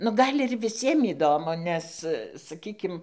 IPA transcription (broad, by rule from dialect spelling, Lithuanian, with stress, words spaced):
nʊ ˈɡɐlʲ ɪr ʋʲɪˈsʲiɛm iːˈdoːmʊ ˈnʲɛs sɐˈkʲiːkʲɪm